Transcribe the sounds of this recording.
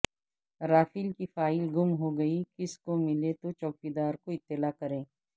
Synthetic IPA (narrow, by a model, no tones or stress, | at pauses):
ɾaːfɪlkifaːɪlɡʊmɦoɡɐikɪskomɪlet̪ot͡ʃɔːkid̪aːɾkoɪt̪ːɪlaːkɐɾẽː